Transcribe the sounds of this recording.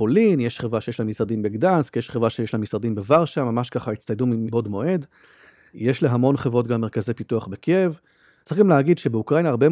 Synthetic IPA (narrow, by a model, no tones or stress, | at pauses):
olinjeʃχevʁaʃejelamisʁad̪imbeɡdanskijeʃχevʁaʃejeʃlamisʁad̪imbevaʁʃamamaʃkaχait͡sst̪ajdumibo̞dmo̞ʔe̞d | jeʃleɦamo̞nχevʁo̞tɡamːeʁkazejpituaχbekev | t͡sɡamleaɡid̪ʃebeukʁainaʁbe